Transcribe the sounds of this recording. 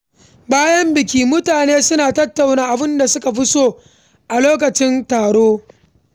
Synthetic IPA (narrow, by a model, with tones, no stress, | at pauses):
baː˦jɐ˦mbɪ˨kʲiː˦mʊ˦taː˨neː˦sʊ˦naː˨tɐ˦tːa˨wnaː˦˨ʔa˨bɪ˦nda˨sʊ˦ka˨ɸʊ˦soː˦ | ʔa˨loː˦k̬ɐ˨t͡ʃɪ˦ntaː˨ɽoː˦